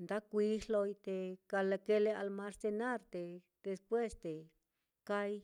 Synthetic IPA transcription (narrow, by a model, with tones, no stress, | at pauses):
nd̪a˦kʷi˧˦ʂlo˧jt̪e˧ka˧le˧ke˦le˧a˧lma˧ɾse˧na˦ɾt̪e˨ | d̪̥e˧spwe˦sd̪e˨ | ka˦j